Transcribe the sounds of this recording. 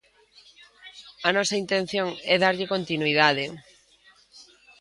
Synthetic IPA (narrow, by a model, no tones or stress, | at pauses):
ɐnɔsɐint̪ẽn̟θjoŋɛðaɾʎɪkont̪inuiðaðɪ